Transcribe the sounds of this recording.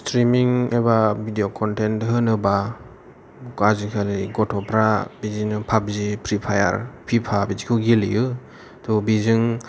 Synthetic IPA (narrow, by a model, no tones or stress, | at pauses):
stɾimiŋebabʱidiokʰɔntentɦɯnɯba | kazikʰaliɡɔtʰɔpʰɾabizinɯpʰap̚zipʰɾipʰaja̰ɾpʰipʰabizikʰɯɡiliɯ | tʰɔbizɯŋ